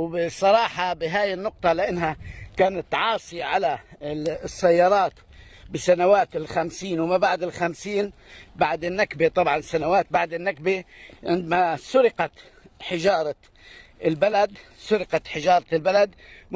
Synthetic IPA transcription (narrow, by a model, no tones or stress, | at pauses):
wbɪsˤːɑɾˤɑːħɑbɪɦaːjɪnːʊq̚t̪ˤɑlɪʔɪnːɦakaːnat̪ːʕɑːsˤiʕala | sːajːɑːɾˤɑːt̪ | bɪsanawaːt̪ɪlxamsiːnwmabaʕd̪ɪlxamsiːnbaʕd̪ɪnːakbet̪ˤɑbʕɑnɪsːanawaːt̪̚baʕd̪ɪnːakbeʕɪnd̪masʊɾɪqɑt̪ | ħɪʒɑːɾˤɑ | ɪlbalad̪sʊɾɪqɑt̪ħɪʒɑːɾˤɑlbalad̪